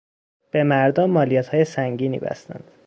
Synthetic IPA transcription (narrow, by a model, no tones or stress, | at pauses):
b̥e̞mæɾd̪ɒmːɒːlijɒːt̪ʰhɒːjesæŋɟiːnḭːbæ̰st̪æ̰nd̪